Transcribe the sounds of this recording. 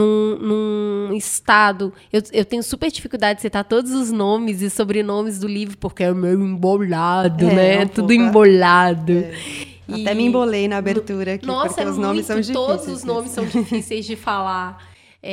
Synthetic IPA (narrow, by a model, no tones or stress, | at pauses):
ũnũɪst̪ad̪ʊ | ewewt̪ẽɲʊsupeɾd͡ʒifikuwd̪ad͡ʒɪd͡ʒɪsejt̪aɾt̪od̪ʊzʊznõmɪzɪsobɾɪnõmɪzd̪ʊlivɾʊpoɾkeɛʊmewĩmboʎad̪ʊnɛɛt̪ud̪ʊĩboʎad̪ʊ | aiɛmɪĩbolejnɐabeɾt̪uɾɐknnɔsɾkɐʊznõmɪssɐ̃w̃d͡ʒit̪od̪ʊzʊsznõmɪsːɐ̃w̃d͡ʒfisejzd͡ʒɪfala | ɛ